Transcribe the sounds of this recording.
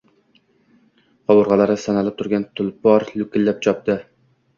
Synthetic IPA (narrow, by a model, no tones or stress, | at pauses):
qɑwʊɾʁɑlˠɑɾɨsɑnɑlˠɪp̚t̪ʰʊɾɡʲɛnt̪ʰʊlˠpɒɾlʊkʲɪlːæp̚t͡ʃʰɒp̚t̪ɨ